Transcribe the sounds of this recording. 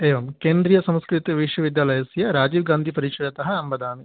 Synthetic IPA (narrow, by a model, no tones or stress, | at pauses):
eːʋɐmkeːnd̪ɾijɐsɐmskɾit̪iʋiʂʋɐʋid̪jaːlɐjɐsjɐɾaːd͡ʒiːʋɡaːnd̪ʱipɐɾiːkʂɐɾɐt̪ɐɦɐɐmbɐd̪aːmi